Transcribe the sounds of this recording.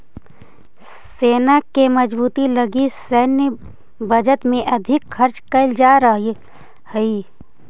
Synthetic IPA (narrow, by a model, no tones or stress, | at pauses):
seːnakeməd͡ʒbuːt̪iləɡisəːnjə | bəd͡ʒət̪mẽʔɐd̪ʱɪkxʰəɾt͡ʃkəɪld͡ʒaːɾəɦi | həi